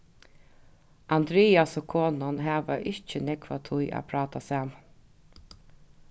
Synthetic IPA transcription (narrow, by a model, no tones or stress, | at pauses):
and̪ɾeːasokʰoːnanɦæːʋaʔɪçt͡ʃənɛkʋat̪ʰʊjʔa̰pʰɾɑːt̪asaːm